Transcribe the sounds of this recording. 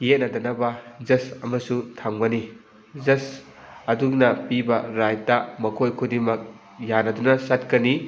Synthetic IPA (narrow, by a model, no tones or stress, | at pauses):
jet̚nɐdɐnɐbɐzɐsɐmɐsutʰaŋbɐni | zɐs | ɐdunɐpibɐɾajtɐmɐkʰojkʰudimɐk̚ | janɐdunɐsat̚kɐni